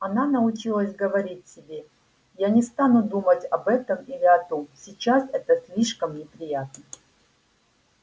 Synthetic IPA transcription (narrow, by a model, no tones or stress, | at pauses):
ɐnanəʊt͡ɕilˠəsʲɡəvɐɾʲitʲsʲɪbʲe | janʲɪst̪anud̪umətʲɐbɛt̪əmilʲɪɐt̪omsʲɪt͡ɕasɛt̪əsʲlʲiʂkəmnʲɪpɾʲɪjat̪nə